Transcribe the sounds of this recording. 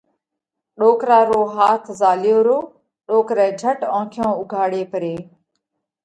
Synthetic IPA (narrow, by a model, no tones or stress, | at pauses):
ɗoːkɾaːɾoːɦaːt̪ʰzaːljoːɾoː | ɗoːkɾɛ̃ːd͡ʒʱəʈãːkʰɪjõːʊɡʱaːɽeːpəɾeː